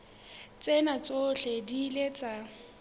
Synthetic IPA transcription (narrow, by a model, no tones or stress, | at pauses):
t͡sʼenat͡sʼoɬedilet͡sʼa